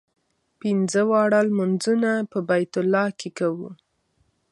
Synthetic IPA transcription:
pinzəwɑɽalmanzunapəbajt̪ʊlːɑkʰekawu

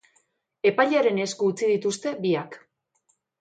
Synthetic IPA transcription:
e̞pajʎaɾe̞ne̞skuːt͡sið̞it̪ust̪e̞βiak

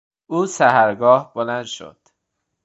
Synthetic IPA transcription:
ʔuːsæhæɾɡɒːhbolænd̪ʃo̰d̪̥

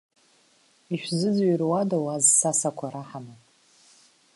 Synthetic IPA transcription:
iʃᶣzɨd͡zirwadawazsasakʷʰaɾaħama

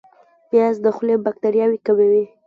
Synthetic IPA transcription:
pjazd̪əxlebak̚t̪aɾjɑwikawewi

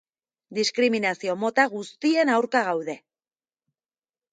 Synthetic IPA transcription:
d̪iskɾiminasio̞mo̞t̪aɣ̞ust̪ie̞nawɾkaɣ̞awðe̞

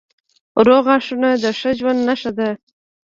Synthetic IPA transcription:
ɾoɣɑʂunad̪əʂəʒwand̪naʂad̪a

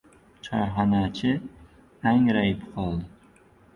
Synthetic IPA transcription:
t͡ʃʰɒɾɦanat͡ʃʰɪ | aŋɾajɪpqʰɒlˠd̪ɪ

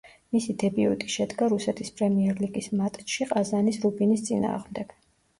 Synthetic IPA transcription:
misid̪ɛbiṵt̪ʼi̥ʃɛd̪ɡaɾusɛt̪ʰispʼɾɛmiɛɾliɡismat̪ʼʃiqʼazanisɾubinist̪sʼina̰ːʁmd̪ɛɡ̥

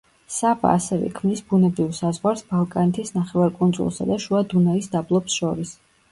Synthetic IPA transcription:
saba̰ːsɛvɛ̰kʰmnisbunɛbɾivsazʁwaɾsbalˠkʼanɛt̪ʰisnaχɛvaɾkʼunzṵlˠsa̰d̪aʃuad̪unaisd̪ablˠɔpsʃɔɾis

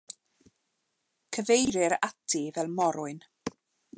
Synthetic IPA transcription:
kʰəvejɾɪɾatʰivɛlˠmɔɾʊɨn

